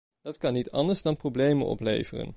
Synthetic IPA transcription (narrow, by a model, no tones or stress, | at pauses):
d̥ɑtkɑnːitʰɑndəɹzdɑnprowblejmənɔ̰plḛjvərə̰n